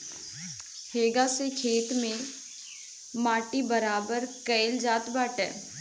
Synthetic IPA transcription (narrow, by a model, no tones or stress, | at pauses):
heːɡasekʰeːt̪mẽ | maːʈibəɾaːbəɾkəɪld͡ʒaːt̪baːʈɛ̰ː